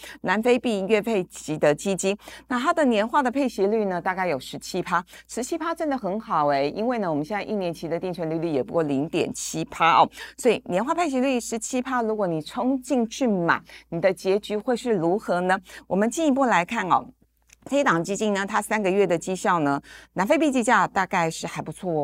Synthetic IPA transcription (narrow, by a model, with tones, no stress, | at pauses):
na˧˥nfe˥ɪpi˥˧ɥɛ˥˧pʰe˥˩ɪt͡ɕi˧˥d̪ə˨t͡ɕi˥t͡ɕi˥na˥˩t̪ʰa˥d̪ə˨njɛ˧˥nxwa˥˩d̪ə˩pʰe˥˩ɪɕɛ˧˥ly˥˩nə˩t̪a˥˧ka˥˩ɪjo˨˩ʊʂɻ̩˧˥t͡ɕʰi˥pʰa˥ʂɻ̩˧˥t͡ɕʰi˥pʰa˥ʈ͡ʂə˥nd̪ə˨xə˧˥nxɑ˨˩ʊe˥˩ɪi˥nwe˥˩ɪnə˩wɔ˨˩mə˦nɕjɛ˥˧nt͡sa˥˧ɪi˥˩njɛ˧˥nt͡ɕʰi˧˥d̪ə˧i˥˩ŋt͡ɕʰɥɛ˧˥nly˥˧ly˥˩jɛ˨˩pu˧˥kwɔ˥˩li˧˥ŋt̪jɛ̰˨˩nt͡ɕʰi˥pʰa˥ʔɔ˥˩swɔ˧˥i˨˩njɛ˧˥nxwa˥˩pʰe˥˩ɪɕ̬jɛ˧˥ly˥˩ʂɻ̩˧˥t͡ɕʰi˥pʰa˥ɻu˧˥kwɔ˧˩˥ni˨˩ʈ͡ʂʰʊ˥ŋt͡ɕi˥˧ŋt͡ɕʰy˥˩ma̰˨˩˦nni˨˩d̪ə˦t͡ɕjɛ˧˥t͡ɕy˧˥xwe˥˧ɪʂɻ̩˥˩ɻu˧˥xɤ˧˥nə˧wɔ˨˩mə˦nt͡ɕi˥˩ni˧˥p̬u˥˩la˧˥ɪkʰa˥˩nɐ̰˨˩ | fe˥ɪt̪ɑ˨˩ŋt͡ɕi˥t͡ɕi˥˩nnə˩t̪ʰa˥sa˥nɡə˧ɥɛ˥˩d̪ə˩t͡ɕi˥˧ɕjɑ˥˩ʊnə˩na˧˥nfe˥˧pi˥˧t͡ɕi˥˧t͡ɕja˥˧t̪a˥˧ka˥˧ɪʂɻ̩˥˩xa˧˥ɪpu˧˥t͡sʰwɔ˥˩